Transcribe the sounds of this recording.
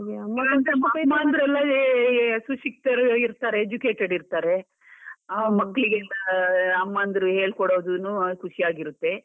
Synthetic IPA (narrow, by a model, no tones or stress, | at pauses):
mɐt̪ɐmbɐpɐjmaːnd̪ɾɛlːɐ | suʂik̚ʈ̪ɐɾiɾt̪aːɾeːd͡ʒuke̞ːʈeɖiɾt̪aːɾe̞ | mɐkːɭiɡelːɐɐmːaːnd̪ɾuɦeːɭkɔɽoːd̪unukʰuʂijaːɡiɾut̪ːe̞